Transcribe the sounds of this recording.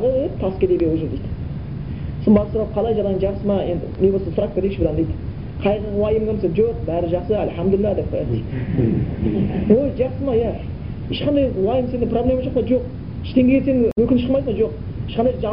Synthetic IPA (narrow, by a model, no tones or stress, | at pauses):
ʁod̪ep̚t̪ʰɑskʲed̪ebewoʒəɾd̪ejd̪ | səmbɑɾsʊɾɑp̚qʰɑlˠɑjʒɑd̪ɑɑnʒɑqsəmɑe̞nd̪ɪ̰nebosɑsʊɾɑk̚t̪oɾekʃbɪd̪ɑnd̪ejd̪ | qʰɑjʁəwɑjəmɡʲemseʒoq̚bæɾɪʒɑχsəælħamd̪ʊlɪlːɑd̪eb̚qʰɑjɑt̪et̪ | wojʒɑqsəmɑjæ | eʃqɑnd̪ɑjwɑjəmse̞nɪŋpro̞blʲe̞mɑʒoqmɑʒo̞q | ɪʃt̪e̞ŋɡʲekʰʲet̪senɪwɵkʲɪnʃə̥qmɑjsmɑʒo̞q | ɪʃqɑnd̪ɑjʒɑ